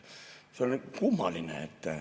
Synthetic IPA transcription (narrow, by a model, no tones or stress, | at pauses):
seolʲnikumːɑlinḛḛt̪ːæ